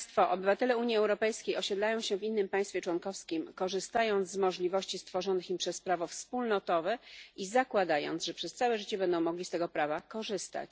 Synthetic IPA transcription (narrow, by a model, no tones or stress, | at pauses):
st̪fɔʔɔbɘvat̪ɛlɛuɲjiɛwɾɔpɛjskʲejɔɕed̪lajɔ̃w̃ɕɛvinːɘmpaj̃st̪fʲjɛt͡ʂwɔnkɔfskʲimkɔʐɘst̪ajɔnt̪zzmɔʐlʲivɔɕt͡ɕist̪fɔʐɔnɘximpʂɛspɾavɔfspulnɔt̪ɔvɛizakwad̪ajɔ̰nzʐɛpʂɛst̪sawɛʐɘt͡ɕɛbɛnd̪ɔ̃w̃mɔɡʲlʲist̪ɛɡɔpɾavakɔʐɘst̪a̰t͡ɕ